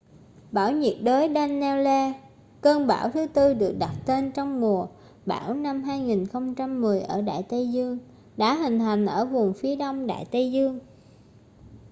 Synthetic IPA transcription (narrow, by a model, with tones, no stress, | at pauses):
ɓaː˧˩wɲi˨˩t̚ɗəː˨˦jɗɛ˧nːɛ˧lɛ˧ | kəː˧nɓa̰ː˧˩wt̪ʰɨ˨˦t̪ɨ˧ɗɨ˨˩ək̚ɗa˨˩t̚t̪e˧nt͡ɕɔ˧wŋ͡mŋu˨˩ə | ɓa̰ː˧˩wna˧mɦaː˧jŋi˨˩nxə˧wŋ͡mt͡ɕa˧mːɨ˨˩əjʔə̰ː˧˩ɗa̰ː˧˨jt̪ə˧jzɨ˧əŋ | ɗa̰ː˧˥ɦï˨˩ŋ̟t̪ʰa˨˩jŋ̟ʔəː˧˩vʊ˨˩ŋ͡mfi˨˦əɗɔ˧wŋ͡mɗa̰ː˧˨jt̪ə˧jzɨ˧əŋ